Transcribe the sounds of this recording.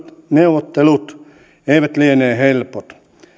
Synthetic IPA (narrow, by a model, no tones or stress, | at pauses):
t̪neuʋot̪ːelut̪ | eiʋæt̪lieneːhelpot̪